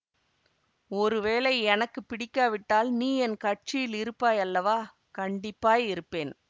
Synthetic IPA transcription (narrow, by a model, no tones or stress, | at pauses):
ɔɾɯʋeːlɐɪɛnɐkːɯpɪɽɪkːaːʋɪʈːaːlniːɛnkɐʈ̚t͡ʃɪjɪlɪɾɯpːaːjɐlːɐʋaː | kɐɳɖɪpːaːjɪɾɯpːeːn